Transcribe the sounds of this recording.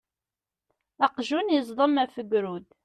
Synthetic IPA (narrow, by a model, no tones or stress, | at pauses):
ɑqʒunjəzˤd̪ˤəmæfəɡɾud̪